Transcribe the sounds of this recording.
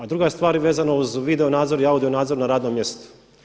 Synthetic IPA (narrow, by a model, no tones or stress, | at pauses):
ad̪ɾuɡajest̪ʋaːɾʋe̞ːzanauzʋid̪eonaːd̪zo̞ɾiaud̪io̞naːd̪zoɾunaɾaːd̪nomje̞st̪o̥